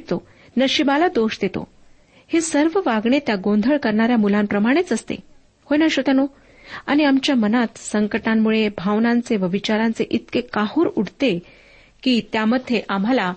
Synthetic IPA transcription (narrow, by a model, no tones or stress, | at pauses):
t̪o | nəɕibalad̪oɕd̪et̪o̰ | hesəɾʋəʋaɡɳet̪jaɡõnd̪ʱəɭkəɾɳaɾjamulãmpɾəmaɽ̃et͡səst̪ḛ | hojnəɕot̪ano | aɽ̃iamt͡ɕjamənat̪səŋkəʈamːuɭebʱaʋnãnt͡seʋəʋit͡ɕaɾãnt͡seʔit̪kekahuːɾuɽt̪e | kiːt̪jaməd̪ʱːeʔam̤ala